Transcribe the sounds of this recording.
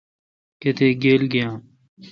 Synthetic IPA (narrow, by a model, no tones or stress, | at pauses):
ket̪ʰeːɡeːlɡɪjãː